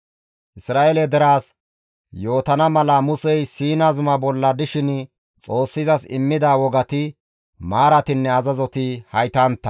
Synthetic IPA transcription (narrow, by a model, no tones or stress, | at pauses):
ʔɪsɾaːʔelɛd̪ɛɾaːs | jo̞ːt̪ɐnɐmɐlɐmʊsɛjsiːnɐzʊmɐbɔlːɐd̪ɪʃɪn | t͡sʼo̞ːsːɪzɐsɪ̰mːɪd̪aːwɔɡɐt̪ɪ | maːɾɐt̪ɪnːɛɐzɐzɔt̪ɪhɐjt̪ant̪ːɐ